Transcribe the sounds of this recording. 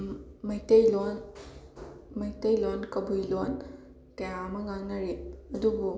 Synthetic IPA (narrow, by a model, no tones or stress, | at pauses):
mɐjtɐjlon | mɐjtɐjlonkɐbujlon | tɐjamɐŋaŋnɐɾeɐdubu